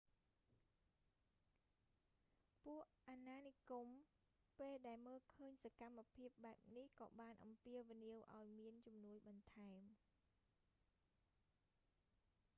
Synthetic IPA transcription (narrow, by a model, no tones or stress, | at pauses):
puəʔʔanaːnikum | peːlɗaɛlməːlkʰəːɲsakamːapʰiəp̚ɓaɛp̚nihkɑ̰ːɓaːnʔɑmpiəʋiniəwʔa̰ɔjmiənt͡ɕumnuəjɓɑnt̪ʰaɛm